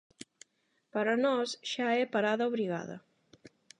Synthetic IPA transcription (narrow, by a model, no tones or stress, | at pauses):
pəɾanɔsʒ̥aɛpaɾaðauβɾiɣa̰ðɐ̰